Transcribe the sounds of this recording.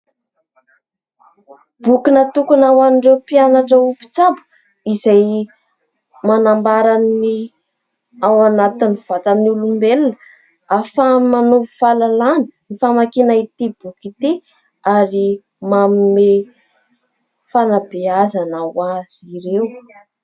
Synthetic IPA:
b̥ukinət̪ukunawaniɳɖ͡ʐewpianaʈ͡ʂəupi̥t͡sabu̥ | izaj | manambaɾanːi | awanat̪inv̥at̪aniulumbelunə | afamanovufalalaninifamakinait̪ibukit̪i | aɾi | mamime | fanabiazanawaz̥iɾew

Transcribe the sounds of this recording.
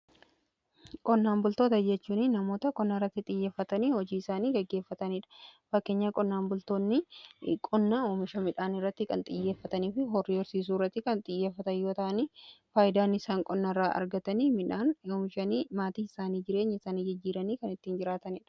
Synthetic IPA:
kʼɔnːaːmbʊlt̪o̞ːt̪ɐd͡ʒɛt͡ʃːuːnɪnːɐmo̞ːt̪ɐkʼɔnːɐɪrːɐt̪ːɪt̪ʼɪjːeːfːɐt̪ɐniːhɔd͡ʒiːɪsaːniːɡɛɡːe̞ːfːɐt̪ɐniːᶑɐ̥fɐkːe̞ːɲːakʼɔnːaːmbʊlt̪oːnːɪkʼɔnːɐoːmɪʃɐmɪᶑaːnɪrːɐt̪ːɪkɐnt̪ʼɪjːe̞ːfːɐt̪ɐniːfɪɦɔrːɪɔɾsiːs̬uːrːɐt̪ːɪkɐnt̪ʼɪjːeːfːɐt̪ɐjo̞ːt̪ɐʔɐniːfaːjɪd̪aːnɪsaːŋkʼɔnːɐrːaːʔɐ̰ɾɡɐt̪ɐnimɪᶑaːnoːmɪʃɐnimaːt̪iːɪsaːniːd͡ʒɪɾe̞ːɲːɐɪsaːniːd͡ʒɐd͡ʒːiːɾɐniːkɐnɪt̪ːiːnd͡ʒɪɾaːt̪ɐniːᶑɐ̥

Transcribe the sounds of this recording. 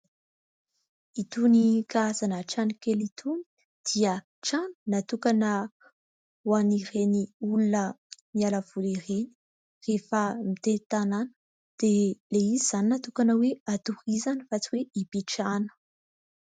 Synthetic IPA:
it̪unikaazanəʈ͡ʂanikelit̪ʰuni̥ | d̪̥iə | ʈ͡ʂani̥nat̪ukanə | wanireniulunəmialəv̥ulireni̥ | refəmit̪et̪ananə̥ | d̪̥eleiziz̥aninat̪ukanəweat̪urizanifat͡siweipiʈ͡ʂanə̥

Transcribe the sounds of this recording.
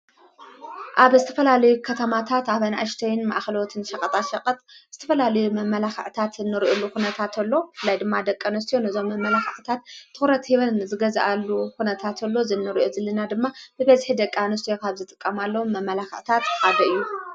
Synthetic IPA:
ʔaβzɨt̪ʰɐfɐlalɐjukʰɐt̪ʰɐmat̪ʰat̪aβɐnaʔɨʃt̪ʰɐjɪnma̰ʔxɐlo̞t̪ʰɨnʃɐkʼɐt̪ʼaʃɐqʼɐt̪ʼz̥ɨt̪ʰɐfɐlalɐjumɐmːɐlaxɐʕt̪ʰat̪ɨnːɨɾʔolːukunɐt̪ʰat̪ʰɐlːo̞fɨlːajd̪ɨmːad̪ɐkʼːanɐs̬t̪ijo̞nɐzo̞mːɐmːɐlaxʕt̪ʰat̪ʰːɨxɾɐt̪iβɐnzɨɡɐza̰ʔalːukunɐt̪ʰat̪ʰɐlːo̞zɨnːɨɾʔozɨlːɨnad̪ɨmːab̥ɨbɐzħid̪ɐkʼːanɐst̪ijokʰaβzɨt̪ʼɨkʼːɐmalːɐwomːɐmːɐlaxɐʕt̪ʰat̪haβɐɨjːu

